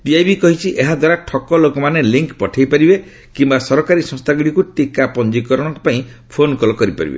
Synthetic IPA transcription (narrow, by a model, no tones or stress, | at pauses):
biajbikɔɦit͡ʃʰiʔeɦad̪waɾaʈʰɔkɔlokɔmaneliŋkpɔʈʰajpaɾibe | kimbasɔɾɔkaɾisɔ̃ŋst̪ʰaɡiɽikuʈikapɔnd͡ʒikɔɾɔɽ̃ɔŋkɔpaĩ | pʰonkɔlɔkɔɾipa̰ɾḭbḛ